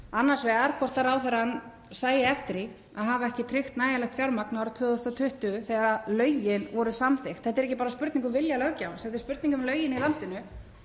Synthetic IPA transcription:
anːaɾ̥svɛːɣaɾkʰɔr̥t̪aɾaːwθɛɾan | saːjɪɛft̪ɪɾi | aðɦaːvaɛhcɪt̪ʰɾɪxt̪naːjalɛxt̪fjawɾmaknawɾʏt̪ʰvœːðɔst̪at̪ʰʏht̪ʏθɛɣaɾaðlœːɥjɪnvɔɾʏsamθɪxt̪θɛht̪ːɛɾɛhcːɪpaɾaspʏɾt̪niŋkʏmvɪljalœɣcawsɛt̪ðɪ̥spʏɾt̪niŋkʏmlœːɥjɪnilant̪ɪnʏ

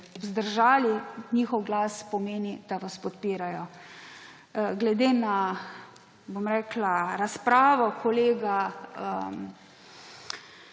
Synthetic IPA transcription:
zd̪əɾʒaːliɲiːxɔwɡlaːspɔmeːnid̪̥aʋaspɔt̪piːɾajɔ | ɡlɛd̪eːna | bomɾɛːklaɾaspɾaːʋɔkʰɔleːɡaə

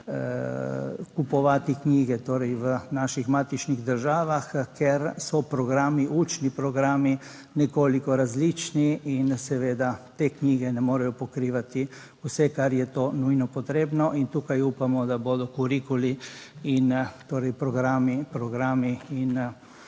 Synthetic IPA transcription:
kupɔʋaːt̪ikniːɡɛt̪oːɾɛjʋənaːʃixmaːt̪it͡ʃniɣd̪əɾʒaːʋaxkɛɾsɔpɾɔɡɾaːmiʔut͡ʃnipɾɔɡɾaːmi | nɛkoːlikɔɾazlit͡ʃniinsɛʋeːd̪at̪eːkniːɡɛnɛmoːɾɛjɔpɔkɾiːʋat̪i | usɛkaɾjɛt̪oːnujnɔpɔt̪ɾeːbnɔʔint̪uːkajupamɔd̪aboːd̪ɔkuɾikuliint̪oːɾɛjpɾɔɡɾaːmipɾɔɡɾaːmiin

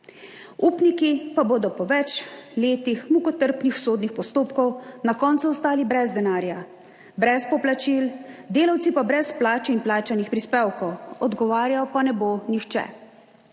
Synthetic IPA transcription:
uːpnikipaboːd̪ɔpɔʋɛt͡ʃleːt̪ixmukɔt̪əɾpnixsoːd̪nixpɔst̪oːpkɔwnakɔːnt̪suɔst̪aːlibɾɛzd̪ɛnaːɾja | bɾɛspɔplat͡ʃild̪eːlawt̪sipabɾɛsplaːt͡ʃɛimplaːt͡ʃanixpɾispewkɔwɔd̪ɡɔʋaːɾjajɔpanɛboːnixt͡ʃɛ̰

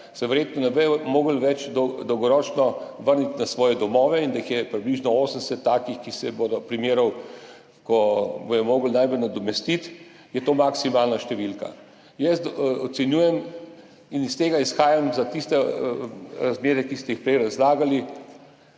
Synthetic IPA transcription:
sɛʋɛɾjeːt̪nɔnɛbɛmoːɡəlʋɛt͡ʃd̪ɔd̪ɔwɡɔɾɔːt͡ʃnɔʋəɾnit̪nasʋɔːjɛd̪ɔmɔːʋɛind̪aixjɛpɾibliːʒnɔoːsənsɛt̪ːaːkixkisɛbod̪ɔpɾimeːɾɔw | kɔbɔjɛmoːɡəlnajbəlnad̪ɔmɛst̪it̪ | jɛt̪oːmaksimaːlnaʃt̪ɛʋilka̰ | jɛsɔsɛnjuːjɛm | inist̪eːɡaisxaːjamzat̪ist̪ɛ | ɾazmeːɾɛkist̪ɛixpɾɛjɾazlaːɡali

